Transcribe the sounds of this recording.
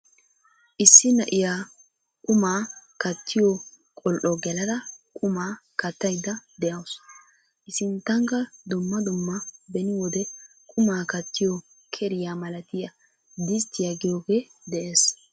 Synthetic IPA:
ʔɪsːɪnɐʔɪjaː | kʼʊmaːkɐt̪ʰːɪjɔ | kʼɔlʔɔɡɛlɐd̪ɐkʼʊmaːkɐt̪ːɐjd̪ːɐd̪ɛjɐws | ʔɪsɪnt̪ːɐŋkɐd̪ʊmːɐd̪ʊmːɐbɛnɪwɔd̪ɛ | kʼʊmaːkɐt̪ːɪjɔ | kʰɛɾɪjaːmɐlɐt̪ɪjɐ | d̪ɪst̪ːɪjaɡɪjoːɡe | d̪ɛʔeːs

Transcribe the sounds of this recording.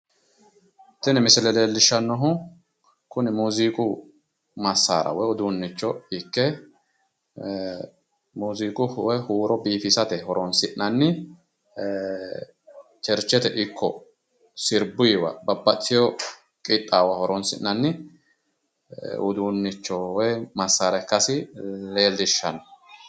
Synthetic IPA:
t̪ːɪnɛmɪsɪlɛleːlːɪʃːɐnːɔɦʊ | kʊnɪmuːziːkʼʊ | mɐsːa̰ːɾɐ̰wɔjʊd̪uːnːɪt͡ʃːɔɪkːɛ | muːziːkʼʊhwɔjhuːɾɔbiːfisɐt̪ɛhɔɾɔnsɪʔnɐnːɪ | t͡ʃɛɾt͡ʃːɛt̪ɛʔɪkʰːɔ | sɪɾbʊjɪwɐ̰bɐbːɐt̪ːɪjɔ | kʼɪt̪ʼːaːwɐhɔɾɔnsɪ̰ʔːɐnːɪ | ʊ̰d̪uːnːɪt͡ʃːɔwɔjmɐsːaːɾɐkːɐsɪle̞ːld̪ɪʃːɐnɐ

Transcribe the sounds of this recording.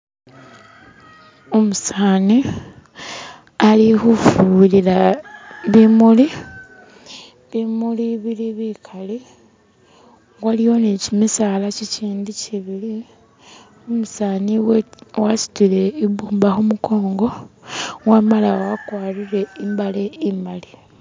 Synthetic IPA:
omusaːni | alixufulila | βimuli | βimuliβiliβikʰali | waliwo̞nicimisaːlaciciːndiciβili | omusaːniwasi̥tile̞iβuːmbaxumuko̞ːŋɡo̞ | ɣwamalawwakwaːɾiɾe̞imbaleimali

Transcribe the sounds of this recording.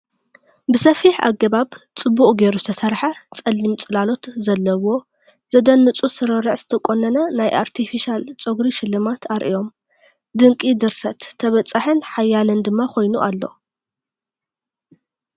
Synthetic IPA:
bɨsɐfiħa̰ɡɐβaβt͡sʼɨbːuχʼɡe̞ɾuzɨ̥t̪ʰɐsɐɾħat͡sʼɐlːimt͡sʼɨlalo̞t̪zɐlːɐwo̞ | z̥ɐd̪ɐnːɨt͡sʼusɨɾɐɾɨʕz̥ɨt̪ʰɐkʼonɐnɐnajʔa̰ɾt̪ʰifiʃalt͡sʼoɡɾiʃɪlːɨmat̪ʰaɾʔḭjo̞m | d̪ɨŋkʼid̪ɨɾsɐt̪ʰːɐβɐt͡sʼːaħɨnħajːalɨnd̪ɨmːakʰo̞jnuʔalːo̞̰

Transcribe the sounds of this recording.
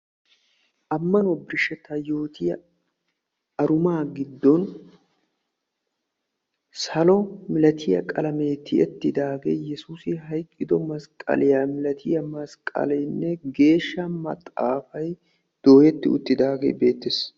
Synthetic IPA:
ʔɐmːɐnɔbɪɾʃːɛt̪ːɐjo̞ːt̪ʰɪjɐ | ɐɾʊmaːɡɪd̪ːɔn | sɐlɔmɪlɐt̪ʰɪjɐ̰kʼɐlɐme̞ːt̪ːɪɛt̪ːɪd̪aːɡḛːjɛsuːsɪɦɐjkʼːɪd̪ɔmɐskʼɐ̰lɪjaːmɪlɐt̪ʰɪjɐmɐskʼɐ̰lɛjnːɛɡe̞ːʃːɐmɐ̰t̪ʼːa̰ːfɐj | d̪̥o̞ːjɛt̪ːɪʊ̰t̪ːɪd̪aːɡḛːbe̞ːt̪ːɪs

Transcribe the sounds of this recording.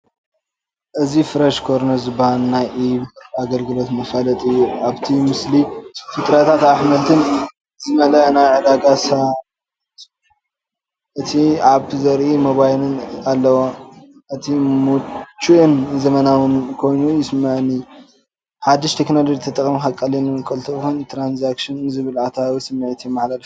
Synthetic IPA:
ʔɨzifɨɾɐʃkʰoɾnɐzɨbhannajʔiβaɡɐlɡɨlo̞t̪mɐfalɐt̪ʼɨjːuʔaβt̪ʰimɨslifɨt̪ʼɾɐt̪ʰat̪aħmɐlt̪ʰɨn | zɨmɐlɐʔnajʕɨd̪aɡasa | ʔɨt̪ʰiʕaβʰzɐɾʔimoβajlɨnalːɐwo | ʔɨt̪ʰimut͡ʃːuʔɨnzɐmɐnawɨnkʰo̞jnujɪsmːaʕɨnɨjːu | ħad̪ːiʃt̪ʰeknod̪ɐd͡ʒt̪ʰɐt̪ʼɐkʼmixakʼːɐlinɨkʼɐlt̪ʰɐxunt̪ʰɾanzakʃɨnɨzɨβɨlat̪ʰawisɨmːɨʕit̪ʰimaħlalf

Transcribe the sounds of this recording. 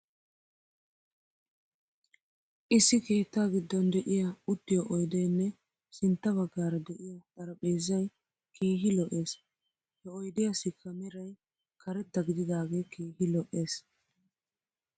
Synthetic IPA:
ʔɪsːɪkeːt̪ːaːɡɪd̪ːɔnd̪ɛʔɪjɐʊt̪ːɪjɔʔɔjd̪ɛjnːɛ | sɪnt̪ːɐβɐɡːaːɾɐd̪ɛʔɪjɐt̪ɐɾɐpʼeːzːɐj | kiːɦɪlɔʔe̞ːs | hɛɔjd̪ɪjɐsɪkʰːɐmɛɾɐj | kʰɐɾɛt̪ːɐɡɪd̪ɪd̪aːɡekiːhɪlɔʔe̞ːs

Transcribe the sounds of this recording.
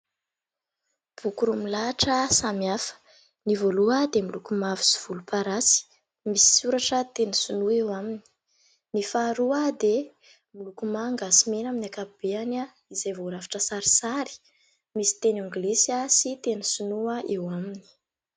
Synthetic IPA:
b̥ukuɾumilaːʈ͡ʂəsamiafə̥ | nivoluəd̪emilukumavi̥si̥v̥ulupaɾasi̥ | misi̥suɾaʈ͡ʂət̪enisunuewamini̥ | nifaɾuəd̪e | milukumaŋɡasimenaminakabeana | izajvoɾafḁʈ͡ʂəsaɾi̥saɾi̥ | misi̥t̪enuŋɡlesiasit̪enisunuaʔewamini̥

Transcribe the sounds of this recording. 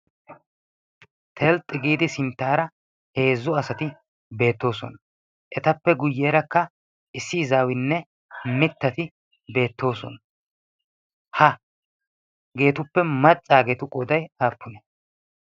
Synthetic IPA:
t̪ʰɛlt̪ʼɪɡiːd̪ɪsɪnt̪ːaːɾɐ | he̞ːzːʊɐsɐt̪ɪ | be̞ːt̪ːo̞ːsɔ̰nɐ | ʔɛt̪ɐpːɛɡʊjːeːɾɐkːɐ | ɪsːizaːwɪnːɛ | mɪt̪ːɐt̪ɪ | be̞ːt̪ːo̞ːsɔ̰n | hɐ | ɡe̞ːt̪ʊpːɛmɐt͡sʼːaːɡeːt̪ʊkʼɔd̪ɐjaːpʰːʊnɛ

